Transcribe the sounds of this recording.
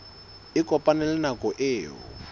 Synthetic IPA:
ɪkʼɔpʼanɛlɛnakɔʔeːɦɔ̰

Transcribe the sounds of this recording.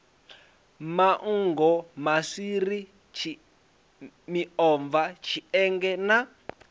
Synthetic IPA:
maʔ̩ŋɡɔmasiɾi | t͡ʃʰi | miɔɱvat͡ʃʰiɛŋɡɛna

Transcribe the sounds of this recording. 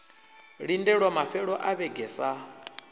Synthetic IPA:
ɺindɛɺwamaɸɛɺɔʔaβɛɡʱɛsa

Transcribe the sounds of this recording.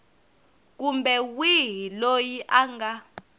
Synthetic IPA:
k̬umbɛwiɦilojiʔaŋɡa

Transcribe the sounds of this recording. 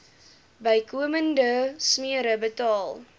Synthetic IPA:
bəjkuəməndəsmiəɾəbətɑːlˠ

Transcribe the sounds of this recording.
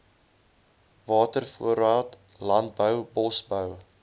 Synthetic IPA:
vɑːtərfuəɾɑːtlɐnt̚bəwbɔsbəw

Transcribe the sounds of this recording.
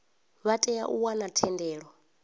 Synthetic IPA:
βatʼɛjaʔuwanatʰɛndɛːɺɔ

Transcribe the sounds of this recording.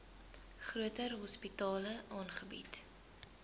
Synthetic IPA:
χruətərɦɔspitɑːləʔɑːnχəbḭt

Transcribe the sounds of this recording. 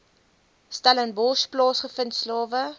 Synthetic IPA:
stalənbɔsplɑːsχəfəntslɑːvə

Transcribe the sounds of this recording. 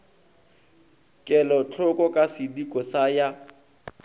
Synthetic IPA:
kʼɛlɔt͡ɬʰʊkʼɔkʼasɪdikʼɔsaja

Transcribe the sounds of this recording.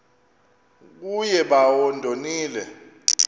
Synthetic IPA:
k̬ujɛɓawɔndʱoniːlɛ

